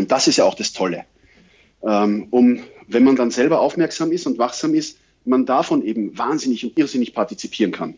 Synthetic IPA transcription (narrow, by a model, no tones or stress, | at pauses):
ʊnt̚d̥asɪstjaaʊxd̥astʰɔlə | ʔɛmʊm | vɛnmandanzɛlbɐʔaʊfmɛɐksaːmɪstʊntvaχz̥aːmɪst | mandafɔnʔeːbm̩vaːnzɪnɪçʊntʔɪɐzɪnɪçpʰaɐtit͡sipʰiːʁənkʰan